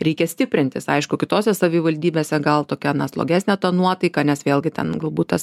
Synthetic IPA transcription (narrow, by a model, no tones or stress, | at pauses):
ɾʲɛɪkʲɛsʲt̪ʲɪpʲɾʲɪnʲt̪ʲɪsɐɪʃkʊkʲɪt̪oːsʲɛsɐʋʲɪʋɐlʲd̪ʲiːbʲeːsʲɛɡɐlˠt̪oːkʲɛnɐslˠo̰ːɡʲæːsʲnʲæt̪ɐnuɔt̪ɐɪkɑnʲɛsʋʲeːlˠɡʲɪt̪ʲɛ̰nɡɐlˠbuːt̪̚t̪ɐs